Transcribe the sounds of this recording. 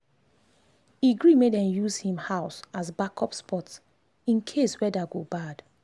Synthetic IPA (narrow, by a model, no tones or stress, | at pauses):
iɡɹimedɛ̃mjuzhĩmhaʊsasbakʰɔpspʰɔts | ĩnkʰeswɛdaɡobad̥